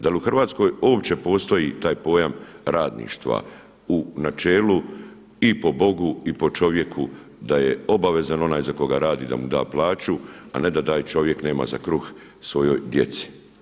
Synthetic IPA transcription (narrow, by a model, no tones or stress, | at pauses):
d̪aliuxrʋaːt̪sko̞ːjo̞ːpt͡ɕe̞po̞ːst̪o̞jit̪aːjpo̞ːjamɾaːd̪nḭːʃt̪ʋa̰ | unat͡ʃeːlu | ipo̞bo̞ɡuipo̞t͡ʃo̞ʋje̞kʰu | d̪aje̞o̞baʋe̞zano̞naːjzako̞ɡaɾaːd̪id̪a̰mud̪aːplˠaːt͡ʃua̰ne̞d̪at̪aːjt͡ʃo̞ʋje̞kne̞ːma̰za̰kɾux | sʋo̞jo̞jd̪je̞̰t̪si̥